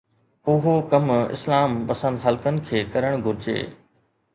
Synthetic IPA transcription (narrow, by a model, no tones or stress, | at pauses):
ʊɦokɐmɪ̰slaːmpɐsə̃nd̪ɦɐlkənɪ̆kʰeːkɐɾəɽ̃ɡʱʊɾɪd͡ʑḛː